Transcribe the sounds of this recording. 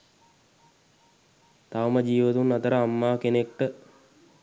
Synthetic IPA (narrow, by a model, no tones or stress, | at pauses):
t̪aʋməd͡ʒiːʋət̪unat̪əɾəamːaːkenek̚ʈə